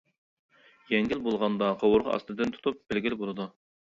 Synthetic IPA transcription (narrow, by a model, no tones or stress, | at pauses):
jɛŋɡʲilbolˠʁɑnd̪ɑqʰɑwʊɾʁɑɑ̰st̪ɨd̪ɨnt̪ʰu̥t̪ʰup̚b̥ɪlɡʲilɪbolˠɨd̪u